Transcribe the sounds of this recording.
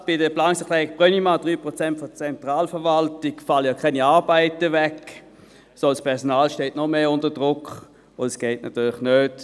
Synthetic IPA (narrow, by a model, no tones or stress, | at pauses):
b̥ɪdəplaːnɪsətʁɛːɡb̥ʁœnimad̥ʁyːpʁot͡sɛntfɔt͡sɛntʁaːlfəɐʋaltɪkfaləjɑkʰɛniaɐbaɪtəvɛk | sospʰɛɐsɔnaːlʃteːtnɔmeːʊntədʁʊkʰ | ʊndɛsɡ̥ɛɪtnʔa̰tyːlɪxnøːt